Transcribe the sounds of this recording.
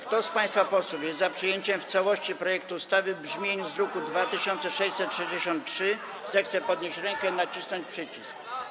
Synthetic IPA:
kt̪ɔspãj̃st̪fapɔswufjɛst̪zapʂɘjeɲt͡ɕɛmft̪sawɔɕt͡ɕipɾɔjɛk̚t̪uːst̪avɘbʐmʲjeɲuzɾɔkud̪vat̪ɘɕɔnt̪sɛʂɛjsɛt̪ʂɛd͡ʑeɕɔ̃nt̪̚tʂɘ | zɛxt̪sɛpɔd̪ɲeɕt͡ɕɾɛŋkɛinat͡ɕisnɔɲt͡ɕpʂɘt͡ɕisk

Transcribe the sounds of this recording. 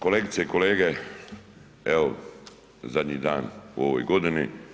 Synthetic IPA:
koleɡit̪seikoleːɡe | ɛo̰ | zad̪ɲid̪aːnṵoʋo̰jɡod̪ini

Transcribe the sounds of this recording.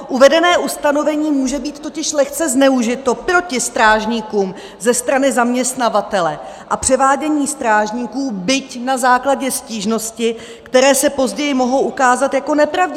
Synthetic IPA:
ʔuvɛdɛnɛːʔust̪ano̞vɛɲiːmuːʒɛbiːt̪t̪ːo̞cɪʃlɛxt͡sɛznɛuʒɪt̪o̞pɾo̞cɪst̪ɾaːʒɲiːkuːm | zɛst̪ɾanɪzamɲɛst̪navat̪ɛlɛ | ʔapr̥ɛvaːɟɛɲiːst̪ɾaːʒɲiːkuːbɪcnazaːklaɟɛsciːʒno̞scɪ | kt̪ɛɾɛːsɛpo̞zɟɛjɪmo̞ɦo̞wʔukaːzat̪jako̞nɛpɾavɟ

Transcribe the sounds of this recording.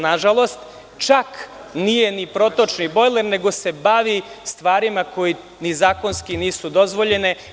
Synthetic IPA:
naʒalˠo̞st̪ | t͡ʃak | nije̞nipɾo̞t̪o̞t͡ʃnibo̞jlˠeɾne̞ɡo̞se̞baʋi | st̪ʋaːɾimako̞ji | nizaːko̞nskiniːsud̪o̞zʋo̞ʎe̞ne

